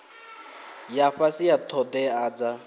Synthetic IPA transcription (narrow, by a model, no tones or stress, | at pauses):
jaɸasijatʰɔdɛaːd͡za